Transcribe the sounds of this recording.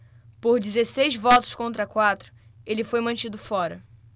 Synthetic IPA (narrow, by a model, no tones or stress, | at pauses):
poɾd͡ʒizesejzvɔt̪ʊ̥skõnt̪ɾɐkwat̪ɾʊ̥ | elɪfojmɐ̃t͡ʃid̪ʊfɔɾɐ